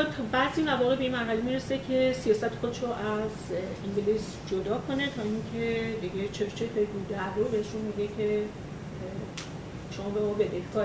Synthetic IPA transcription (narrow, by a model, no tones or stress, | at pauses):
t̪ʰɒbæziːmævɒːɣebe̞inmæɦælemiɾesecʰe̞sijɒːsæt̪ʰe̥xo̞d̪eʃɾoʔæziɲɟelis | d͡ʒod̪ɒːkʰo̞ne̞t̪ʰɒiŋcʰe̞d̪iɟʲe̞t͡ʃʰeɾt͡ʃʰefeliɡud̪æd̪obeheʃunmiɟecʲʰe̞ | ʃo̞mɒːbe̞mɒbed̪ehkɒː